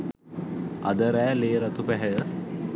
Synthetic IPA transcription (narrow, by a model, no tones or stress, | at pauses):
ɐd̪əɾæːleːɾɐt̪upɛɦɛjə